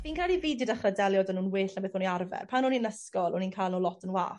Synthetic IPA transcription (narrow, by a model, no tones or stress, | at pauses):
viːnkʰalˠiviːdɪdaχradɛljɔdənuːnwɪːɬambeːθoniarvɛ̰rpʰanuːninəskɔlˠɔninkʰajlnolɔtʰənwa̰ːθ